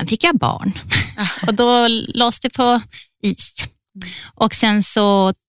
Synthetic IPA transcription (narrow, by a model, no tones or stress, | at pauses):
ɛnfɪkːjabɑ̰ːɳ | ɔd̪ɔloːsd̪ɛpʰɔ | iːs | ʔɔksɛnsɔ